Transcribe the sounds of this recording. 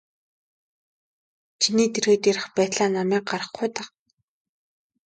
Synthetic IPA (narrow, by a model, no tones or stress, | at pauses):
t͡ɕʰiniːt̪ʰerɣeːt̪jeɾɘ̆χpæːt̪ɮaːnamæːk̚ɢaɾə̆χɡʊjt̪aq